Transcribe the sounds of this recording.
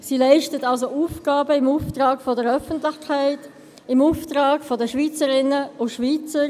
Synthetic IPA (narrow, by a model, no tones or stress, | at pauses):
siːlaɪʃtətɑlsouːfɡ̥aːbəɪmuːftɾɑːɡfodəɾœfəntlɪçkʰaɪt | ɪmuːftʁɑːɡfodəʃviːt͡səɾɪnəʊʃviːt͡səɾ